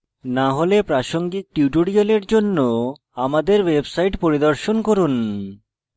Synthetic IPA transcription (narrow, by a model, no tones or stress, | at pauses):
naɦolepɾaʃoŋɡik̚ʈiuʈoɽioleɾd͡ʑonːo | amad̪eɾwebsajʈpoɾid̪oɾʃonkoɾun